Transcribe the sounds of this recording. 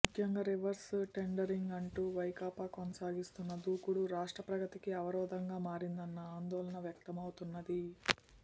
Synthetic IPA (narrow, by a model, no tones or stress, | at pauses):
mukʰjɐŋɡaːɾiʋɐɾsʈe̞ɳɖɐɾiŋɡɐɳʈuːʋɐjkaːpaːkonɐsaːɡist̪unːɐd̪uːkuɽuɾaːʂʈɾɐpɾɐɡɐt̪ikiɐʋɐɾɔːd̪ɐŋɡaːmaːɾind̪ɐnːɐaːnd̪ɔːlɐɳɐʋjɐk̚t̪ɐmɐwut̪unːɐd̪i